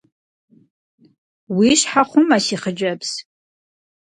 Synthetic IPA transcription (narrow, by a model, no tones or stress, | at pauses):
wiʂħaχʷʊmasiχəd͡ʒʷabz̥